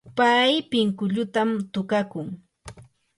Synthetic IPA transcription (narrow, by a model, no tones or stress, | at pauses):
pajpɪŋkʊʎʊt̪amt̪ʊkakʊŋ